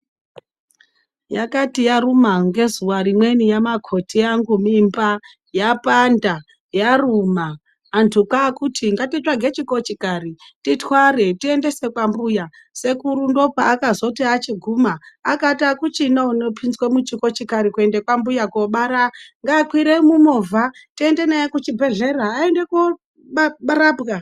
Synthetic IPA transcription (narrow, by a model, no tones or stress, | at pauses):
jakatijarumaŋɡe̞zuwaɾimwe̞nijamakʰo̞tʰiaŋɡumimba | japanda | jarumaː | ntʰukakutʰiŋɡatit͡ʃaɡʱet͡ʃiko̞t͡ʃikari | titwaɾe̞tie̞nde̞se̞kwambuja | se̞kuɾundo̞paʔːkazo̞tiat͡ʃiɡʱumaakatakut͡ʃinaunopʰinzwemut͡ʃiko̞t͡ʃikaɾikue̞nde̞kwambujakoɓaɾaŋɡaːkwiɾemumovʱatie̞nde̞najekut͡ʃibʱe̞ɮe̞raːende̞ko | ɓaɓaɾabka